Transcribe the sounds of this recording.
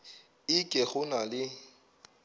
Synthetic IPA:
ɪkʼɛχʊnalɪ

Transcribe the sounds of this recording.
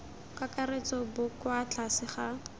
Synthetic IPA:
kakaret͡sɔbʊkwat͡ɬʰasɪχa

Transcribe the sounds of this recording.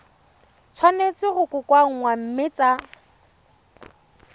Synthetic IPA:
t͡sʰwanet͡sɪɣʊkʼʊkʼwaŋ̩ŋwam̩mɪt͡sa

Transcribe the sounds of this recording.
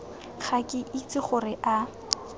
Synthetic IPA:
χʰakʼɪʔit͡sʼɪχʊrɪʔa

